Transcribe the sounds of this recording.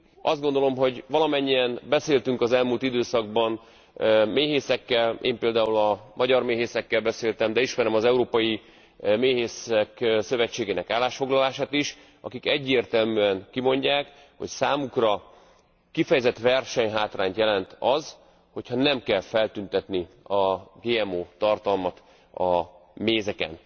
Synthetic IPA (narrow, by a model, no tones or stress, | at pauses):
ɒzd̪ɡo̞nd̪o̞lo̞mɦo̞ɟvɒlɒmɛɲːijɛnbɛseːlt̪yŋkɒzɛlmult̪id̪øːsɒɡbɒn | meːɦeːsɛkːɛlḛːmpeːld̪aːulɒmʔɒɟɒrmeːɦeːsɛkːɛlbɛseːlt̪ɛmd̪ɛiʃmɛɾɛmɒzɛuɾoːpɒji | meːɦeːsɛksø̞vɛt͡ʃːeːɡeːnɛkaːlːaːʃfo̞ɡlɒlaːʃaːt̪iʃ | ɒ̰kikɛɟːeːrt̪ɛlmyːɛŋkimo̞ɲɟaːk | ho̞̰csaːmukrɒ | kifɛjɛzɛt̪ʋɛrʃɛɲɦaːt̪raːɲt̪jɛlɛnt̪ɒz | ho̞cʰhɒnɛmkɛlfɛlt̪ynt̪ɛt̪ni | ɒɡeːɛmoːt̪ɒrt̪ɒlmɒt̪ | ɒmeːzɛkɛ̰n